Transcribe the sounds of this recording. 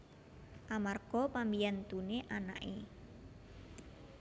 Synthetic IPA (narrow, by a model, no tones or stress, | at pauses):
ʔamarɡ̥ɔpambijant̪uneʔana̰ʔe